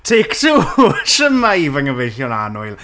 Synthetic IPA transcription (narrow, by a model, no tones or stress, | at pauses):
tʰeːktʰuːʃəmaivəŋəvejɬjɔna̰nʊɨlˠ